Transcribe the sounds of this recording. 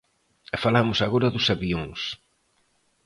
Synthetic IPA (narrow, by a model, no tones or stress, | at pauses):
falamʊsaɣoɾɐðusaβioŋs